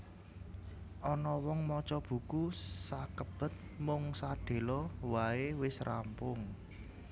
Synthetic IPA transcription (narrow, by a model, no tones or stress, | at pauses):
ʔɔnɔwɔŋmɔt͡ʃɔb̥ṳkusakəb̥ə̤t̪̚mʊŋsaɖ̥e̤lɔwaewɪsrʔampʊŋ